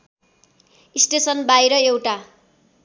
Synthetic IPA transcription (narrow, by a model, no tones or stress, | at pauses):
isʈesʌnbajɾʌewʈa